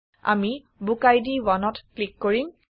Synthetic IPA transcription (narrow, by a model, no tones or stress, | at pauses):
a̰mi | bukajdiwanɔtklikːoɹim